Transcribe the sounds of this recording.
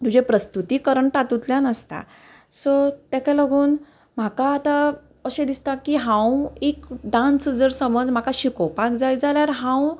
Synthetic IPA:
t̪ud͡ʑʱepɾəst̪ut̪iːkəɾəɳʈat̪ut̪ljanəst̪a̰ | sɔt̪akaləɡʱuːn | m̤akaːt̪a | əɕẽd̪ist̪akiɦãwekɖãnsd͡zəɾsəməd͡zm̤akaɕikowpakd͡zajd͡zaljaɾɦãw̃

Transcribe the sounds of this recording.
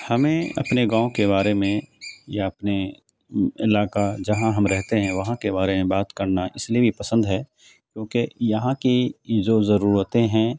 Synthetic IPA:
hɐmẽɐ̰pneɡãːõkeβaːɾemẽjaɐpne | ɪlaːkad͡ʒɐɦãɦɐmɾɛɦt̪eɦɛ̃ʋɐɦãkebaːɾemẽbaːt̪kɐɾnaʔɪsliebʱipɐsə̃nd̪ɦɛː | kjõːkejɐɦãkid͡ʒoːzɐɾuːɾət̪ẽɦɛ̃

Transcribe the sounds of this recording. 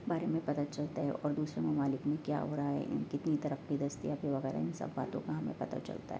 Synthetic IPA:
baːɾemẽpɐt̪at͡ʃɐlt̪aɦɛ̰ʔɔːɾd̪uːsɾemɐmaːlɪkmẽkja̰ːɦo̰ːɾaɦaɦɛ̰ʔɪ̰nkɪt̪nit̪ɐɾəfkid̪ʱɐst̪ijapeʋɐɣɛːɾa̰ɪnsɐ̰bːaːt̪õkaɦɐmḛ̃pɐt̪a̰t͡ʃɐ̰lt̪a̰ɦɛ

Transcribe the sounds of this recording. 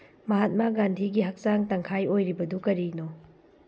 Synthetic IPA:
mɐɦat̚maɡandʱiɡiɦɐk̚saŋtɐŋkʰajojɾibɐdukɐɾino

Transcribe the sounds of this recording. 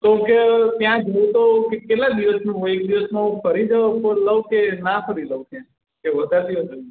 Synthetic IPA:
t̪oket̪jãd͡ʒoũt̪okekelãd̪iʋəsnũoek̚d̪iʋəsmãũfəɾid͡ʒəpoləʋkenafʰəɾiləʋkʰe | keʋəd̪ʱad̪iʋəsd͡ʒo

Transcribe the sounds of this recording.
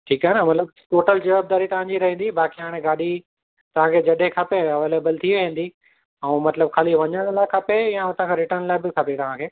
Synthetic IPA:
ʈʰiːkɦaːɦenɐmɐt̪ləb | ʈoːʈəld͡ʑɐʋaːb̚d̪aːɾit̪ɐʋ̤ãːɲd͡ʑiɾɐɦĩn̆d̪ibaːkiɦaːɽ̃ẽɡaːɗi | t̪ɐʋ̤ãkʰeːd͡ʑɐɗekʰaːpeɐʋeːleːbəlt̪ʰiʋẽːn̆d̪i | ɛ̃mɐt̪ləb̚kʰaːliʋɐɲəɽ̃laːɪkʰaːpejaʊt̪ãkʰẽɾɪʈənlaːɪbɪkʰaːpet̪ɐʋ̤ãkʰeː

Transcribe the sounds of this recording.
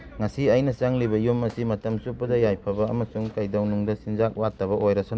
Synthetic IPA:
ŋɐsiɐjnɐsaŋlibɐjumːɐsimɐtɐmsupːɐdɐjajpʰɐbɐːmɐsuŋkajdɐwnuŋdɐsinzak̚watːɐβɐʔojɾɐsɔ

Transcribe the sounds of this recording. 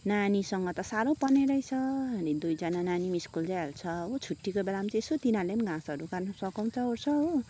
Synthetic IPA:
nanisʌŋɡʌt̪ʌsaɾõpʌneɾʌjt͡sʰʌɦʌnid̪ujd͡zanananimiskuld͡zaj̃ɦelt͡sʰʌot͡sʰuʈːikobelamt͡siesot̪inalemɡãsʌɾukarnʌsʌkʌw̃t͡sʰʌort͡sʰʌo

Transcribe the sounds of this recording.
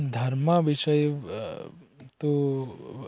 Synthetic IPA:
d̪ʱɐɾmɐʋiʃɐj | t̪u

